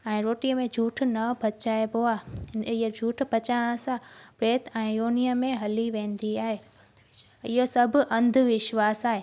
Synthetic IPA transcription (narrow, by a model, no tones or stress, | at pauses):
ɛ̃ːɾoːʈiəmẽd͡ʑʱuːʈʰnɐbʱɐt͡ɕaːeboaɪɦəd͡ʑʱuːʈʰbʱɐt͡ɕaːɽ̃əsãpɾeːt̪ɛ̃ːjoːniəmːẽɦɐliʋẽːn̆d̪iaːɦeː | ɪɦosɐb̆ʱʔɐ̃nd̪ʱʊʋɪʃʋaːsaːɦeː